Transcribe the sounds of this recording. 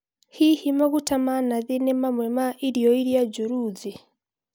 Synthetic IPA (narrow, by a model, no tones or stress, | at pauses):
hihimoɣutamanaðinemamwemaʔiɾjoiɾjaɟuɾuːd͡zi